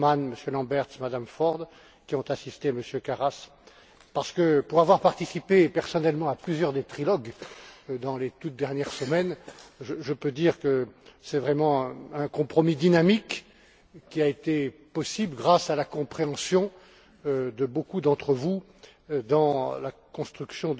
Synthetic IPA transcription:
manməsjølɑ̃bɛʁt̪smad̪amfɔʁd̪ | kʲiɔ̃t̪asist̪eməsjøkaʁas | paʁsə̥kəpuʁavwaʁpaʁt̪isipepɛʁsɔnɛlmɑ̃aplyzjœʁd̪et̪χilɔɡ | d̪ɑ̃let̪ut̪̚d̪ɛʁnjɛʁsəmɛnʒəʒəpød̪iʁkəsɛvʁɛmɑ̃ɛ̃kɔ̃pχɔmid̪inamikːʲ | iaet̪epɔsiblɡʁasalakɔ̃pχeɑ̃sjɔ̃ | d̪əbokud̪ɑ̃t̪χəvu | d̪ɑ̃lakɔ̃st̪χyksjɔ̃

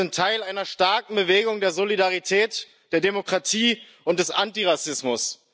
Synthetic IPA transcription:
ɪntʰːaɪlaɪnɐʃtaɐk̚ŋ̩bəveːɡʊŋdeːɐzolidaʁitʰɛːt | d̥eːɐdemokʁ̥atʰiː | ʔʊntd̥ɛsʔantiʁasɪsmʊs

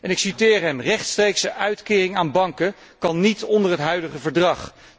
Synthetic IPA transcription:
ɛnɪksitɪːɹɦɛmrɛχtstrejksəʔœɥtkɪːrɪŋaːnbɑŋkə | kɑnːitɔndəɹɦətɦœɥdəχəvəɹdrɑχ

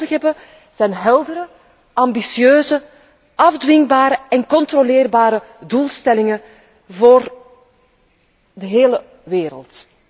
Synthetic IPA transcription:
dəxɦɛbə | z̥ɛjnɦɛlˠdəɾə | ɑmbisiøːzə | ɑvdwɪŋbaːɾəɛnkɔnt̪rolɪːrbaːɾəduːlˠstɛlɪŋə | voːr | dəɦeːlə | ʋeːɾə̰lˠt

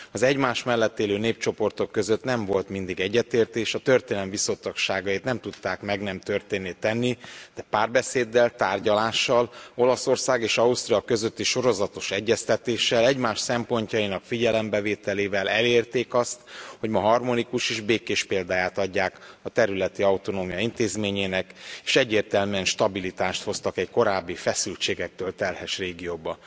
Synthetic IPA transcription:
ɒzɛɟmaːʃmɛlːɛt̪ːeːløːneːp̚t͡ʃo̞po̞rt̪o̞kːø̞zø̞t̪nɛɱvo̞lt̪mind̪iɡɛɟːɛt̪eːrt̪eːʃɒt̪ø̞rt̪eːnlɛɱvisot̪ːɒkʃaːɡɒjit̪nɛmt̪ut̪ːaːkmɛɡnɛmt̪ørt̪eːnːet̪ɛnːid̪̥ɛpaːrbɛseːd̪ːɛlt̪aːrɟɒlaːʃːɒlo̞lɒso̞rsaːɡeːʃɒust̪ɾiɒkø̞zøt̪ːiʃo̞ɾo̞zɒt̪o̞ʃɛɟːɛst̪ɛt̪eːʃːɛlɛɟmaːʃsɛmpo̞ɲcɒjinɒkfiɟɛlɛmbɛveːt̪ɛleːvɛlɛleːrt̪eːkɒst̪ho̞ɟmɒɦɒrmo̞nikuʃeːʒbeːkeːʃpeːld̪aːjaːt̪ɒɟːaːkɒt̪ɛɾylɛt̪iɒwt̪o̞noːmijɒint̪eːzmeːɲeːnɛkeːʃɛɟːeːrt̪ɛlmyɛnʃt̪ɒbilit̪aːʃt̪ho̞st̪ɒkɛɟko̞ɾaːbːifɛsylt͡ʃeːɡɛk̚t̪øːlt̪ɛlhɛʃreːɡijoːbɒ

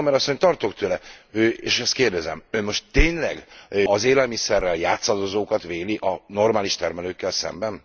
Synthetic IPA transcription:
mɛɾɒsːo̞ɲt̪ɒrt̪okt̪ʰøːlɛøːeːʃɛst̪keːrd̪ɛzɛ̰mønmo̞ʃtt̪ːeːɲlɛ̰ɡɒzeːlɛlmisɛrːɛljaːt̪sɒd̪ozoːkɒt̪veːliʔɒno̞rmaːliʃt̪ɛrmɛløːkːɛlsɛ̰mbɛn

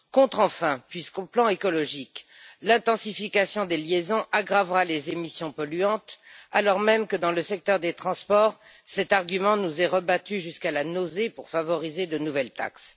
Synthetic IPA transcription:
kɔ̃t̪χɑ̃fɛ̃pɥiskoplɑ̃ekɔlɔʒiklɛ̃t̪ɑ̃sifikasjɔ̃d̪eljezɔ̃ʔaɡʁavʁalezemisjɔ̃pɔlyɑ̃t̪alɔʁmɛmkəd̪ɑ̃ləsɛk̚t̪œʁd̪et̪χɑ̃spɔʁsɛt̪aʁɡʲymɑ̃nuzɛʁəbat̪yʒyskalanozepuʁfavɔʁized̪ənuvɛlt̪a̰ks

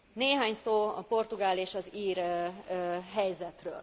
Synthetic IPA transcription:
neːɦaːɲsoːɒ̰po̞rt̪uɡaːleːʃɒziːr | ɦɛjzɛt̪rø̰ːl

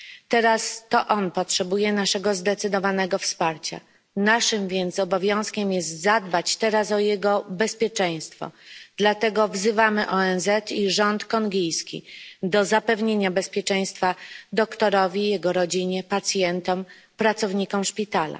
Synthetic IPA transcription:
t̪ɛɾast̪ɔʔɔnpɔtʂɛbujɛnaʂɛɡɔzd̪ɛt̪sɘd̪ɔvanɛɡɔfspaɾt͡ɕa̰ | naʂɘmvʲjɛnt̪sɔbɔvʲjɔ̃w̃skʲɛmjɛst̪zad̪̚bat͡ɕt̪ɛɾasɔjɛɡɔbɛspʲjɛt͡ʂɛj̃st̪fɔ̰d̪̥lat̪ɛɡɔvzɘvamɘʔɔɛnzɛt̪iʐɔnt̪kɔŋɡʲijskʲḭd̪ɔzapɛvɲeɲabɛspʲjɛt͡ʂɛj̃st̪fad̪ɔkt̪ɔɾɔvʲijɛɡɔɾɔd͡ʑiɲɛpat̪sʲjɛnt̪ɔm | pɾat̪sɔvɲikɔmʂpʲit̪ala̰

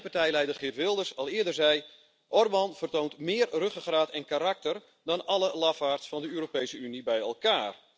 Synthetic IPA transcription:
partɛjlɛjdərχɪtʋɪlˠdərsɑlˠɪədərzɛj | ʔɔrbɑnv̥ərtontmɪːrrøχəɣraːtɛnkaːɾɑk̚tər | dɔnɑləlɑfaːrtsfɑndəøːɾopejsəynibɛjɛlˠkaːr

